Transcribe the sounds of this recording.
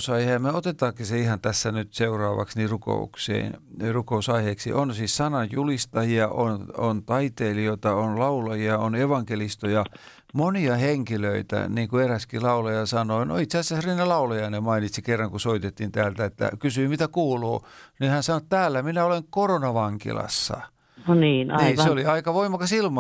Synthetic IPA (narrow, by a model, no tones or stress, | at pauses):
sɑihemeot̪et̪ɑːkːiseihɑnt̪æsːænyt̪seurɑːʋɑ̰ksniːruko̰ṵksḛːnrukousɑiheːksḭʔonsiːssɑnɑjjulist̪ɑjiɑʔonont̪ɑit̪eːlioit̪ɑonlɑulɑjiɑoneʋɑŋkelist̪ojɑ | moniɑheŋkiløit̪æ̰niːŋkueræskilɑulɑjɑsɑnoːno̰it̪seæsæsriːnɑlɑulɑjɑinemmɑinit̪sikerːɑŋkusoit̪et̪ːint̪æːlt̪æet̪ːæ̰kysyimit̪ækuːluːnihænsɑnoet̪t̪æːlːæminæoleŋkoronɑʋɑŋkḭlɑ̰sːɑ̰ | noniːnniːseoliɑikɑʋoimɑkɑsilmɑ